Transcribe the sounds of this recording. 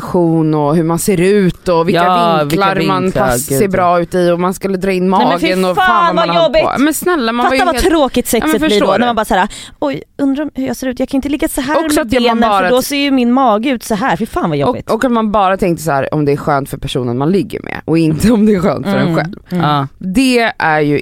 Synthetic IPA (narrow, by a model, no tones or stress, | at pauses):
ɧuːnɔɦɵmanseːɾʉ̟ːt̪ɔvɪlkːavɪŋlaɾmanfaseːɾbɾɑːʉ̟ːt̪ɪɔmanskɵlːəd̪ɾɑːɪnːmɑɛːmɛɡfɪənɔfaanvajɔbːɪ̰mɛnsnɛlːamanftvaavat̪ɾoːkɪt̪sɛkːsmfəlɪoɔnæɾmanbɑːsaːɾa | ɔj | ɵnd̪ɾamhʉɾjɑːseːɾʉt̪jɑɡkʰanɪt̪əlɪɡːasɔɦæɔɾsmsɔat̪ːɛnːfɾdɔseːɾjəmɪnmɑːɡəʉ̟ːt̪sɔɦæːɾfɪfaːnvajɔ̰ɔbɪ̰t̪ɔkat̪manbɑːɾat̪ʰɛŋkt̪əsahæ̰ːɾɔ̰md̪ɛæɧœːnt̪fœɾpʰæʂuːnənmanlɪɡːə̰ɾmɛ̰ʔɔɪnt̪əɔmd̪ɛːɧœ̰ːnt̪fœɾɛ̰nɧɛ̰lvd̪ɛæɾjɵ